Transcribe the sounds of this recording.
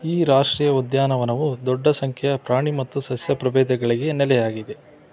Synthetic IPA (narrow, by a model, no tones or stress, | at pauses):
iːɾaːʂʈɾiːjɐud̪jaːnɐʋɐnɐʋud̪ɔɖːɐsɐŋkʰɛjɐpɾaːɳimɐt̪ːusɐsjɐpɾɐbɛːd̪ɐɡɐɭiɡe̞nɛlɛjaːɡid̪e̞